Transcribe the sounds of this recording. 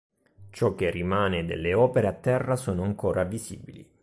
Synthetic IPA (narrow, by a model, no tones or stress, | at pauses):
t͡ʃɔkːerːimaːned̪ḛlːeɔːpeɾeat̪ːɛrːasoːnoaŋkoːɾʔavizḭːbilḭ